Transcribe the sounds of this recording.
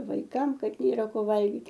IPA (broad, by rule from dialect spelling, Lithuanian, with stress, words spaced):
ʋɐɪˈkɐm ˈkɐt ˈnʲeːrɐ ˈkoː ˈʋɐlʲɡʲiːtʲ